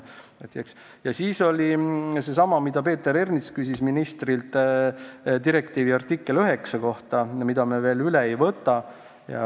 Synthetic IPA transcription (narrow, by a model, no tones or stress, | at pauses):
et̪ːˑeks | jɑsiːso̞lʲise̞sɑmɑmid̪ɑpe̞ːt̪ːˑeɾernit̪skysisminist̪rilt̪ | t̪iɾe̞kt̪iːviɑrt̪ikːe̞løɦe̞ksɑko̞ht̪ɑmid̪̥ɑmeve̞ːlyle̞ejvɤt̪ˑːɑ | jɑ̰